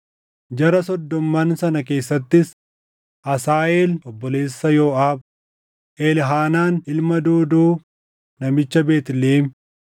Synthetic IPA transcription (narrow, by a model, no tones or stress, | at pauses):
d͡ʒɐɾɐsɔd̪ːɔmːaːnsɐnɐke̞ːsːɐt̪ːɪs | ʔɐsaːʔeːlʔɔbːɔle̞ːsːɐjoːʔaːb | ʔelɦaːnaːnʔɪlmɐd̪uːd̪uː | nɐmɪt͡ʃːɐbe̞ːt̪ɪleːm